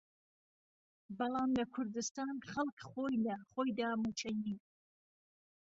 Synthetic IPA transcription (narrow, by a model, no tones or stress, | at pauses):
bɐlˠɑːmlɐkʰʊɾd̪ɨst̪ɑːnχɐlˠkχoːjlɐχoːjd̪ɑːmut͡ʃʰɐjiːn